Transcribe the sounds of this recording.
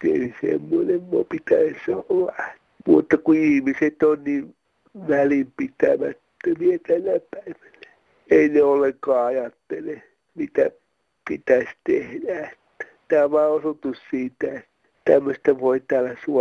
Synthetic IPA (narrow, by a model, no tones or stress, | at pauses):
ḛisḛmːonemmopit̪æsolːɑe | mṵːt̪ːɑkuihmiset̪onniːʋ | ʋælimpit̪æ̰mæ̰t̪ːømiet̪ælːæpæiʋæ̥næ̥ | eineolːeŋkɑːɑjɑt̪ːele | mit̪æ̰ | pit̪æsʲt̪ehdæe̥t̪ːæ̥t̪æːʋɑːosut̪ussiːt̪æet̪ːæ̥t̪æmːøst̪æʋoit̪æːlːæsu